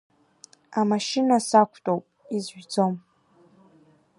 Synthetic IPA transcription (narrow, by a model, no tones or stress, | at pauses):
amaʃinasakʷʰtʼowpʼizʒd͡zom